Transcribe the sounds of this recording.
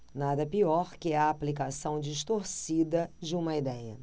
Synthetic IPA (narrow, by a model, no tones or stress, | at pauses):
nad̪ɐpiɔɾkɪɐːplikasɐ̃w̃d͡ʒiʃt̪oɾsid̪ɐd͡ʒɪũmɐid̪ɛjɐ